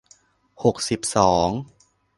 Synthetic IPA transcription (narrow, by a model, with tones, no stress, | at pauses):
ho˨˩k̚si˨˩p̚sɔː˩˦ŋ